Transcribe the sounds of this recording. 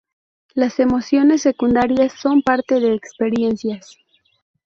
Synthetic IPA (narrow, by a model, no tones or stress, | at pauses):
lase̞mo̞sjo̞ne̞sːe̞kund̪aɾjasːo̞mpaɾt̪e̞ðe̞ːkspe̞ɾje̞nsjas